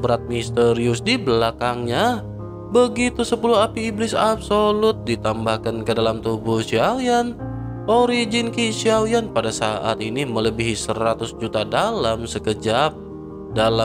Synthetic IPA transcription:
bəɾat̪̚mist̪əɾiusdibəlakaŋɲa | bəɡit̪usəpuluɦapiːblɪsapsolʊt̪̚dit̪ambahkankədalamt̪ubʊhʃiawjan | oɾid͡ʒɪnkiʃiawjanpadasa̰ʔa̰t̪inimələbiɦisəɾat̪ʊsd͡ʒut̪adalamsəkəd͡ʒap̚ | dala

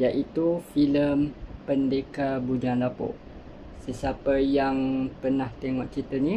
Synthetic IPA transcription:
jaʔit̪ufiləmpəndekabud͡ʒanlapɔ̰ʔ | səsiapəjaŋpərnaht̪eŋɔʔt͡ʃit̪əni

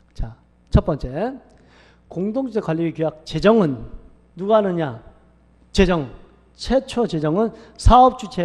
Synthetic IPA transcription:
t͡ɕa | t͡ɕʰʌt̚p͈ʌnt͡ɕ͈e̞ | koŋdoŋʰud͡ʑʰekwaʎːiɡikjojak̚t͡ɕe̞d͡ʑʌŋɯnː | uɡaanɯɲa | t͡ɕe̞d͡ʑʌŋ | t͡ɕʰet͡ɕʰʌt͡ɕe̞d͡ʑʌŋɯn | sʰaʌp̚t͡ɕ͈ʰut͡ɕʰe

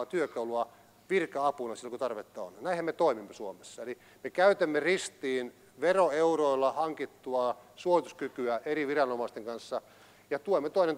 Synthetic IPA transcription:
t̪yøkɑuluɑ | ʋirkɑɑpunɑsilːkut̪ɑrʋet̪ːɑo̰nnæihemet̪oˑimimːesuomesːɑeli | mekæyt̪æmːerist̪iːn | ʋeroeuroilːɑhɑŋkit̪ːuɑsuoit̪uskykyæeriʋirɑnomɑˑist̪eŋkɑnsːɑ | jɑt̪uoimːet̪oˑinen

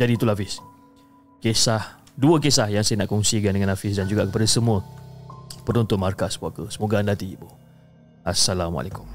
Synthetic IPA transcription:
d͡ʒadiːt̪ulaafɪs | kesah | duək̬esahjaŋsajənaʔkɔŋsikandəŋãnafɪs̬dand͡ʒuɡaʔkəpadasəmũə | pəɾunt̪ʊnmarkasbuakəsəmuɡanlat̪ibuh | asalamwa̰lekʊm

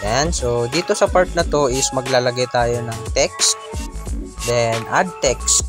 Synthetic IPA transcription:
ʔɛnsod̪iːt̪o̞sɐpaɹt̪̚nɐt̪o̞ʔɪsmɐɡlaːlɐɡajt̪aːjo̞nɐŋt̪ɛk̚st̪ | d̪ɛnʔad̪̚t̪ɛkst̪̚

